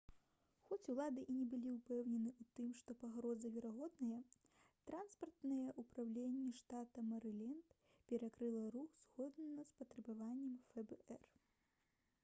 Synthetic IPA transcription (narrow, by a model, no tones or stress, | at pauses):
xɔt͡sʲulˠad̪ɨʔinʲɛbɨlʲiupɛwnʲɛnɨut̪ɨmʂt̪ɔpaɣɾɔzɐvʲɛɾaɣɔd̪nɐjɐ | t̪ɾanspɐrt̪nɨjɐʔupɾawlʲenʲːɛʂt̪at̪ɐmɐɾɨlʲɛnt̪ | pʲɛɾakɾɨlˠɐɾuxz̥ɣɔd̪nɐspɐt̪ɾɐbavanʲːɛmfɛbɛɛr